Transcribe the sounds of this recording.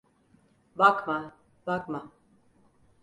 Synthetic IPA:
bakma | bakma

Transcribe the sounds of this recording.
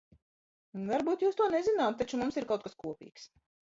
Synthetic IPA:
vaɾbuːt̪juːst̪uɔnezinaːt̪̚t̪at͡ʃumumsiɾkawt̪kaskuɔpḭːks

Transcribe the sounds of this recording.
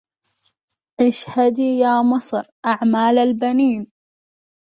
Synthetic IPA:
ʔɪʃhad̪ijaːmɑsˤɾʔaʕmaːlalbaniːn

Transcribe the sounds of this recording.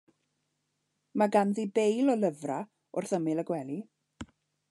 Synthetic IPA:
maɡanðibejlɔləvra | ʊ̰rθəmɪlˠəɡwɛlˠi

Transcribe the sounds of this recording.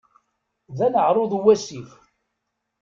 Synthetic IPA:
ðænəʕɾˤoðˤuwæsif

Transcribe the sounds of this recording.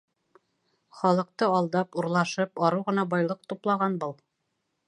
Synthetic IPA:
χɒlˠɤ̆q̚t̪ɤɑlˠd̪ɑpuɾlˠɑʃɤpɒɾɤwʁɤ̆nɑbɑjlˠɤq̚t̪uplˠɑʁɑnbɤlˠ

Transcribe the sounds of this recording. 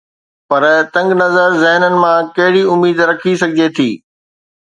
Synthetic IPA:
pɐɾt̪ɐ̃ŋɡnɐzəɾzɛɦnənɪ̆mãkɐɦɪɽiʊmiːd̪ɾɐkʰisɐɡʱɪd͡ʑet̪ʰiː

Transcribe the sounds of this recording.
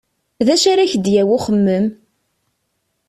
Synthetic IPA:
ðæʃaɾaçəd̪jæwʊχəmːəm

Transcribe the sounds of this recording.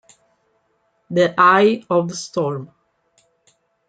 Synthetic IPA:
ðiʔaɪɔvðəst̪ɔːɹm

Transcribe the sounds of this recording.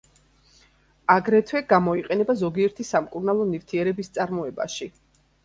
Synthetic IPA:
aɡɾɛt̪ʰwɛɡamɔiqʼɛnɛbazɔɡiɛɾt̪ʰisamkʼuɾnalˠɔnift̪ʰiɛɾɛbist̪sʼaɾmɔɛba̰ʃi

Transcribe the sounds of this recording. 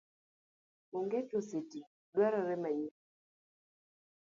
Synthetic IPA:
moŋɡet͡ʃoseti | lwɛɾɔɾɛmaɲi

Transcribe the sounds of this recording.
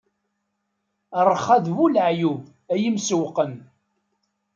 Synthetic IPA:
ərˤːχæðvulʕjuv | æjimsəwqən

